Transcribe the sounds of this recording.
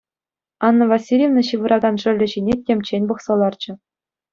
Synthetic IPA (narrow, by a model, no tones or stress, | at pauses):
ɑnːɤ̆vɑsʲilʲjevnɤ̆ɕiʋɯ̆ɾʔɑɡɑnʐɘ̆rʲlʲɘ̆ʑinʲetʲemʲt͡ɕenʲbɤ̆χsɤ̆lˠɑrd͡ʑɘ̆